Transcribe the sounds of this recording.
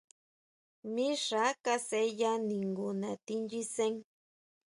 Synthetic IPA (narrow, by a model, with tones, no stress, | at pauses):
mi˦ʂa˦ka˦se˦ja˦ni˨ŋɡʊnat̪i˦nd͡ʒi˦se˦ŋ